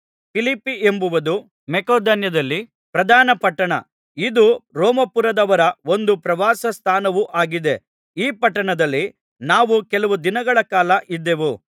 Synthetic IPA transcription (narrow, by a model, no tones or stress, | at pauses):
pilipːiʔembuʋɐd̪u | mɛkoːd̪ɐnjɐd̪ɐlːi | pɾɐd̪ʱaːnɐpɐʈːɐɳɐ̰ | id̪uɾoːmɐpuɾɐd̪ɐʋɐɾɐo̞nd̪upɾɐʋaːsɐst̪ʰaːnɐʋuʔaːɡid̪e̞ | iːpɐʈːɐɳɐd̪ɐlːi | naːʋukɛlɐʋud̪inɐɡɐɭɐkaːlɐʔid̪ːe̞ʋu